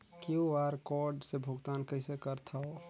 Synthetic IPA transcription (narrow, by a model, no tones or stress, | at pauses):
kioaɾkɔɾɖsebʱʊɡt̪aːnkəɪsekəɾt̪ʰao